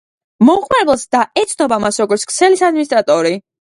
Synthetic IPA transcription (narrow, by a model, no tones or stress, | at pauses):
mɔuχmaɾɛbɛlˠsd̪aɛt̪sʰnɔbamasɾɔɡɔɾt̪skʰʼt̪sʰɛlisad̪̚minist̪ʼɾat̪ʼɔɾi